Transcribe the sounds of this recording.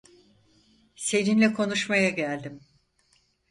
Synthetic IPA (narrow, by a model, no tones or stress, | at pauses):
se̞ninlʲɛkʰo̞nuʃmajaɟælʲd̪im